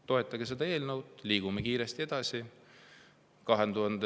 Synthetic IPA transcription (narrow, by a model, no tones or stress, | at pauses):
t̪o̞e̞t̪ːˑɑɡes̬e̞d̪ɑe̞ːlnɤwd̪liːɡ̥umekiːɾest̪ie̞d̪̥ɑsi | kɑɦend̪uɦɑnd̪e